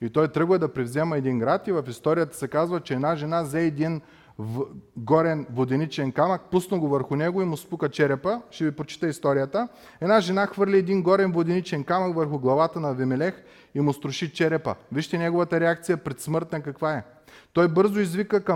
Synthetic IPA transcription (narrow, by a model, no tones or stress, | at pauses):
it̪ɔjt̪ɾɤɡvəd̪ɐpɾɛvzɛmɐɛd̪inɡɾat̪ivɐfist̪ɔɾʲijət̪ə̥sɛkazvət͡ʃɛɛd̪naʒɛnazɛːd̪in | ɡɔɾɛnvod̪ɛnit͡ʃɛnkamək̚pusnɐɡovəɾxʊnɛɡoimʊsp̪ukət͡ʃɛɾɛpəʃt̪ɛvipɾot͡ʃi̥t̪əist̪ɔɾijət̪ə | ɛd̪naʒɛnaxvɤɾlʲiɛd̪inɡɔɾɛnvod̪ɛnit͡ʃɛnkamɐkvəɾxʊɡlˠɐvat̪ənɐvɛmɛlɛx | imʊst̪ɾʊʃit͡ʃɛɾɛpə̰viʃt̪ɛnʲɛɡovət̪əɾɛak̚t̪sijəpɾɛt̪smɤɾt̪nɐkɐkvaɛ | t̪ɔjbɤɾzʊizvikəkə